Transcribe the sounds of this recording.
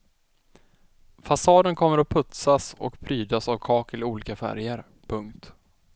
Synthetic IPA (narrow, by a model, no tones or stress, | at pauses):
fasɑːd̪ənkʰɔmːəɾɔpʰɵt̪sasɔ̰kpʰɾyːd̪asavkʰɑːkɪlɪuːliːkafæ̰ɾjəɾ | pʰɵŋkt̪